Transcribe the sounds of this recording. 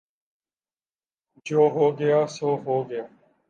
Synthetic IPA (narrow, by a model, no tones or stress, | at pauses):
d͡ʒoːɦoːɡɪjaːsoːɦoːɡɪjaː